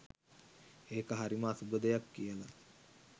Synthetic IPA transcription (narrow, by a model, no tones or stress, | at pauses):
eːkəɦaɾiməasubəd̪əjakːijəla